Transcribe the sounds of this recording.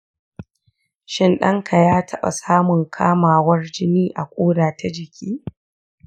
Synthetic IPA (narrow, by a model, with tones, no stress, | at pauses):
ʃɪ˦nɗɐ˦ŋkʰa˨jaː˦tʰɐ˦ɓa̰˨saː˦mʊ˨ŋkʰaː˦maː˨wɐ˦rd͡ʒɪ˦niː˦ʔa˨kʷʼoː˦ɽaː˨ta˦d͡ʒɪ˨kʲʰiː˦